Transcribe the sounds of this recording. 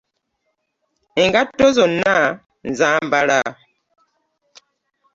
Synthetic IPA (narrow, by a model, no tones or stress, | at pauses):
eŋɡatozona | nzaːmbaɾa